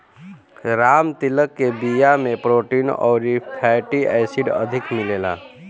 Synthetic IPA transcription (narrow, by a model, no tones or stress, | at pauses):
ɾaːmt̪iləkːebijamẽpɾoːʈinɔ̰ːɾipʰɛʈiɛːsiɖə̰d̪ʱɪkmɪleːla̰